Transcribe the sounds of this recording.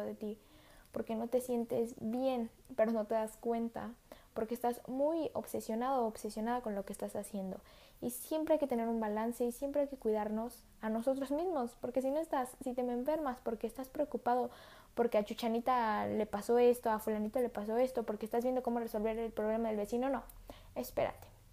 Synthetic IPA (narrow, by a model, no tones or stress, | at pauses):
ðet̪i | po̞ɾke̞no̞t̪e̞sje̞nt̪e̞̰zβje̞n | pe̞ɾo̞no̞t̪e̞ðaskwe̞nt̪a̰po̞ɾkeːst̪azmujo̞̰βse̞sjo̞naðoːβse̞sjo̞naðako̞nlo̞keːst̪asasje̞nd̪o̞̰ | isje̞mpɾeajke̞t̪ene̞ɾumbalanse̞isje̞mpɾajke̞kwiðaɾno̞s | ano̞so̞t̪ɾozmizmo̞spo̞ɾke̞s̬ino̞e̞st̪asːit̪e̞meɱfe̞ɾmaspo̞ɾke̞ːst̪aspɾeokupað̞o̞ | po̞ɾke̞at͡ʃut͡ʃanit̪ale̞paso̞e̞st̪o̞afulanit̪ale̞paso̞e̞st̪o̞poɾkeːst̪azβje̞nd̪o̞ko̞mo̞re̞so̞lβe̞ɾelpɾo̞βle̞maðelβe̞sino̞no̞ | e̞speɾa̰t̪e̥